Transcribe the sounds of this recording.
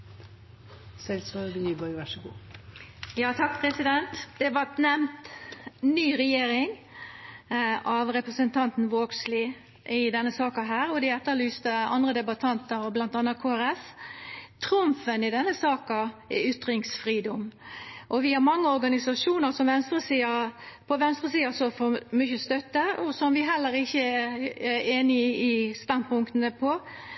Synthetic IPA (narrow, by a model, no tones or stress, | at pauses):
sɛlsɑːbəlyːbɑɪʋæʂəɡṵː | jɑːt̪ʰɑk̚pʰɾɛsɪd̪ɛnt̪d̪̥ɛʋɑt̪nɛmnt̪nyːɾɛjeːɾɪŋ | ʔɑʋɾɛpʁəsənt̪ʰɑnt̪n̩ʋoːɡsliː | ʔɪd̪ɛnːəsɑːkɑɦæːɾɔd̪ɪɛt̪ːəlyːst̪əɑ̰nd̪ʁəd̪ɛbɑt̪ʰɑnt̪əɾɔblɑnt̪ɑːnːɑt̪̚kʰoːæɾɛs | t̪ʰɾʊmfənɪd̪ɛnːəsɑːkɑɛʏt̪ːɾɪŋsfɾiːd̪ɔmʔɔʋɪhɑɾmɑŋːəɔɾɡɑnɪsɑʂuːnəɾsɔmʋɛnst̪ʁəsiːɑpʰɔʋɛnst̪ʁəsiːɑsɔfɔmʏçəst̪œt̪ːəɔsɔmʋɪɦɛlːəɾɪçːəɛɛeːnɪɪst̪ɑnpʊŋkt̪ənəpʰɔ